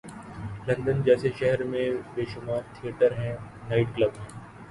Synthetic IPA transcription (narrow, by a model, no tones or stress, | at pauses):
lɐɡd̪ənd͡ʒɛːseʃɛɦɛɾmẽbeːʃʊmaːɾt̪ʰijəʈəɾɦɛ̃ | naːɪʈklɐbɦɛ̃ː